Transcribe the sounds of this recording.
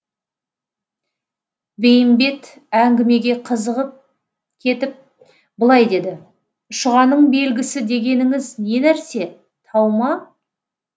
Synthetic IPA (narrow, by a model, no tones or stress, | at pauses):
bejɪmbe̞t̪ | æŋɡʲɪme̞ɡʲe̞qʰəzəʁəp̚ | kʲʰe̞t̪ɪp̚ | bəlˠɑjd̪e̞d̪ɪ | ʊʃəʁɑnəɴbe̞lɡʲɪsɪd̪e̞ɡʲe̞nɪŋɪzne̞næɾse̞ | t̪ʰɑwmɑ